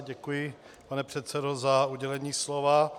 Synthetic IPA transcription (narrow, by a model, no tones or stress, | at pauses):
ɟɛkujɪ | panɛpr̝̥ɛt̪sɛdo̞zauɟɛlɛɲiːslova